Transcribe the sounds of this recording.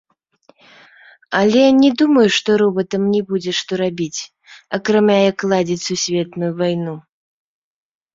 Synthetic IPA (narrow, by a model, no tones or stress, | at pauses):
ɐlʲɛnʲɛd̪umɐjuʂt̪ɔɾɔbɐt̪ɐmnʲɛbud͡zʲɛʂt̪ɔɾabʲit͡sʲ | ɐkɾamʲajɐkːlˠad͡zʲit͡sʲsusʲvʲɛt̪nujuvajnu